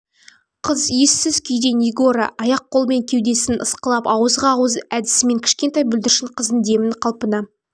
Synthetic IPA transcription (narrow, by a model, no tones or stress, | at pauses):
qʰəzje̞sːɪz̥kʲʰʏjd̪e̞niɡo̞ɾɑ̰ʔɑjɑq̚ʰːo̞lˠme̞ŋkʲʰe̞wd̪e̞sɪnəsqəlˠɑpɑwəzʁɑwəzæd̪ɪ̥sɪme̞ŋkʲʰɪ̥ʃkʲe̞nt̪ɑjbʏld̪ɪɾʃɪɴqʰəzənd̪e̞mɪɴqʰɑlˠpənɑ